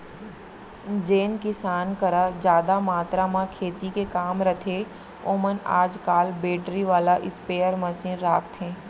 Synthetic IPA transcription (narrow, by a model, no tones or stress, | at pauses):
d͡ʒeːnkɪsaːnkɐɾad͡ʒjaːd̪amaːt̪ɾamãkʰeːt̪ikekaːmɾɐt̪ʰe | oːməna̰ːd͡ʒkaːlbeːʈɾiʋaːlaʔɪspeːəɾmɐsiːnɾaːkʰt̪ɦẽː